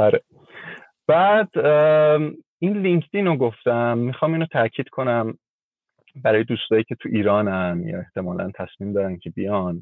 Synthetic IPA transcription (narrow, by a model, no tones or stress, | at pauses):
ɒɾe | b̥æːd̪̥ | inliɲkʰt̪inoɡoft̪æmːixɒːmiːnot̪ʰæcʰiːd̪̥kʰonæm | bæɾɒːjed̪uːst̪ɒːjiːcʰe̞t̪ʰuʔiːɾɒːnænjɒ̰ːe̞ht̪ʰe̞mɒːlæ̰nt̪ʰæsmiːmd̪ɒːɾæncʰe̞bijɒn